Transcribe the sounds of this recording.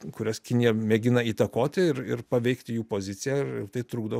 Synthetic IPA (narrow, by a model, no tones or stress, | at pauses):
kʊɾʲɛskʲɪnʲɪjɛmʲɛɡʲɪnɐiːt̪ɐkoːt̪ʲɪɪɾɪ̰pɐʋʲɛɪkt̪ʲɪjuːpoːzʲɪt̪sʲɪjæːɪɾɪ̰rt̪ɐɪt̪ɾuːɡd̪o